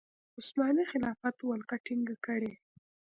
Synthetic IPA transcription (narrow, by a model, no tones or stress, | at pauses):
ʊsmɑnixɪlɑfat̪walkaʈiŋɡakəɽe